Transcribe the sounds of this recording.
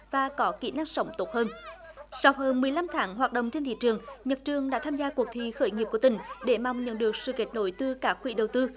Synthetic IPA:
vaː˨˩kɔ˨˦kḭ˧˩˥naː˦˥ŋ̚sə˨˦wŋ͡mt̪o˨˦˥t̚həː˧n | sa˧wɦəː˧nmɨ˨˩əjla˧mt̪ʰaː˨˦ŋɦwaː˨˩t̚ɗə̰˧˨ŋ͡mt͡ɕe˧nt̪ʰḭ˧˨t͡ɕɨ˨˩əŋɲə˨˩t̚t͡ɕɨ˨˩əŋɗa̰ː˧˥t̪ʰaː˧mzaː˧ku˨˩ək̚t̪ʰḭ˧˨xəː˧˩jŋi˨˩p̚ku˧˩t̪ï˧˩ŋ̟ɗe˧˩ma˨wŋ͡mɲə̰˧˥nɗɨ˨˩ək̚sɨ̰˧˨ke˨˩t̚no̰˧˦jt̪ɨ˧kaː˦˥k̚xwḭ˧˩˦ɗə˨˩wt̪ɨ˧

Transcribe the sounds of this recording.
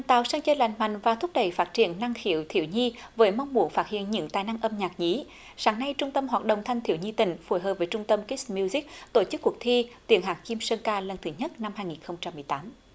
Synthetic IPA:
a˨˩nt̪a̰ː˧˨wsaː˧ŋt͡ɕəː˧la̰˧˨˩jŋ̟ma̰˧˨jŋ̟vaː˨˩t̪ʰʊ˦˥p̚ɗə˧˩jfaː˦˥t̚t͡ɕḭ˧˨ənːa˧ŋxḭ˧˨əwt̪ʰḭ˧˨əwɲi˧vəː˨˦jma˧wŋ͡mmu˨˧˩ənŋfaː˦˥t̚hḭ˧˨ənɲɨ̰˧˥ŋt̪aː˨˩jna˧ŋʔə˧mɲaː˨˩k̚ɲi˨˦ | saː˨˩ŋna˧jt͡ɕʊ˧ŋ͡mt̪ə˧mɦwaː˨˩t̚ɗo̰˧˨wŋ͡mt̪ʰa˧jŋ̟t̪i˧˨əwɲi˧t̪ï˧˩ŋ̟fu˧˩jɦəː˨˩p̚vəː˨˦jt͡ɕʊ˧ŋ͡mt̪ə˧mki˦˥smi˧zi˦˥k̚t̪o˧˩t͡ɕɨ˦˥kːu˨˩ək̚t̪ʰi˧t̪wi˧˩ənɦaː˨˩kki˧msəː˧nkaː˧lə˨˧˩nt̪ʰɨ˨˦ɲə˦˥t̚na˧mhaː˧jŋi˨˩nxə˧wŋ͡mt͡ɕa˧mːɨ˨˩əjt̪aː˨˦m

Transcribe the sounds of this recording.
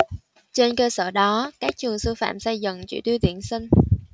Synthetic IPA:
t͡ɕe˧nkəː˧sə̰ː˧˩ɗɔ˨˦kaː˦˥k̚t͡ɕwɨ˨˩əŋsɨ˧fa̰ː˧˨msa˧jzə̰˧˨ŋt͡ɕḭ˧˩˦t̪wi˧wt̪i˧˩ənsi˧ŋ

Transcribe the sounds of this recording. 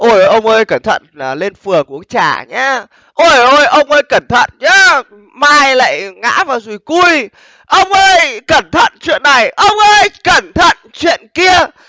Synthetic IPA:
ʔo˧˩jjʔə˧wŋ͡mʔəː˧jkə˧˩nt̪ʰə̰˧˨n˨˩le˧nfɨ˨˩əŋku˧˩əŋt͡ɕa̰ː˧˩ɲaː˧ | ʔo˧˩jʔo˧˩jʔə˧wŋ͡mʔəː˧jkə˧˩nt̪ʰə̰˧˨nɲaː˨˦ | maː˧jla̰ː˧˨jŋa̰ː˧˥vaː˨˩zu˨˩jku˧j | ʔə˧wŋ͡mʔəː˧jkə˧˩nt̪ʰə̰˧˨nt͡ɕwḭ˧˨ənːa˨˩jʔə˧wŋ͡mʔəː˧jkə˧˩nt̪ʰə̰˧˨nt͡ɕwḭ˧˨ənki˧ə

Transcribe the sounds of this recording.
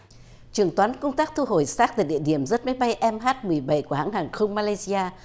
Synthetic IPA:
t͡ɕɨ˨˩əŋt̪waː˨˦nkə˧wŋ͡mt̪aː˦˥k̚t̪ʰu˧ɦo˨˩jsaː˦˥k̚t̪aː˧˩jɗḭ˧˨əɗḭ˧˩əmzə˦˥t̚ma˨˦jɓa˧jʔɛ˧mɦaː˦˥t̚mɨ˨˩əjɓa˧˩jku˧˩əha̰˧˥ŋhɦaː˨˩ŋxə˧wŋ͡mmaː˧la˧jzi˧aː˧

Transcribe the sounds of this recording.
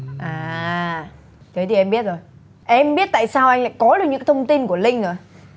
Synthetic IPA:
ʔaː˨˩ | t̪ʰə˨˦t̪ʰi˨˩ʔɛ˧mɓi˦˥ət̚zo˨˩j | ʔɛ˧mɓi˦˥ət̚t̪a̰ː˧˨jsaː˧wʔa˧jŋ̟la̰ː˧˨jkɔ˨˦lɨ˨˧˩ɲɨ̰˧˥˦t̪ʰə˧wŋ͡mt̪i˧nku˧˩əlï˧ŋ̟əː˨˩

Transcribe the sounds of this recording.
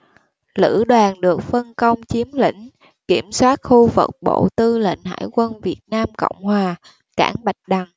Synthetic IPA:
lɨ̰˧˥ɗwaː˨˩nɗɨ˨˩ək̚fə˧nkə˧wŋ͡mt͡ɕi˨˦əmlḭ̈˧˥ŋ̟ | ki˧˩əmswaː˦˥t̚xu˧və̰˨˩k͡p̚ɓo̰˧˨t̪ɨ˧lḭ˧˨ŋ̟ɦa̰ː˧˨jkwə˧nvi˨˩ət̚naː˧mkə̰˧˨wŋ͡mhwaː˨˩ | ka̰ː˧˥˩ŋɓa˨˩jk̟̚ɗa˨˩ŋ

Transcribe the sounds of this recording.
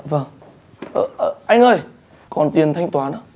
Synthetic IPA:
və˨˩ŋ | ʔəː˨˧˩ʔəː˧˩ʔa˧jŋ̟ʔəː˧˩j | kɔ˨˩nt̪i˨˩ənt̪ʰa˧jŋ̟t̪waː˨˦nə˨˦

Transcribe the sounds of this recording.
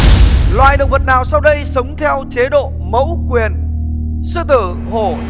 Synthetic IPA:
lwaː˨˩jɗə˨wŋ͡mvə˨˩t̚naː˨˩wsa˧wɗə˧jsə˨˦wŋ͡mt̪ʰɛ˧wt͡ɕe˨˦ɗo̰˧˨ | mə̰˧˥wkwi˨˩ən | sɨ˧t̪ɨ˧˩ | ho˧˩

